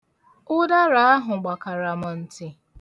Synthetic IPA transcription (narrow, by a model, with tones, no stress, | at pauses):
ʊ˦da˦ɾa˨a˦ɦʊ˨ɡ͡ba˨ka˨ɾa˨ma˨n̩˨tɪ˨